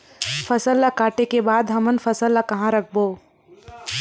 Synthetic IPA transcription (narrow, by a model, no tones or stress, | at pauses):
fʰɐsəlːakaːʈekebaːd̪ɦɐmənfʰɐsəlːakɐɦãɾɐkʰboː